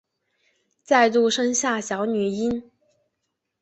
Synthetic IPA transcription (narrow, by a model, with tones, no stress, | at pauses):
t͡sa˥˧ɪt̪u˥˩ʂɤ˥ŋɕja˥˩ɕjɑ˧˥ʊny˨˩i˥n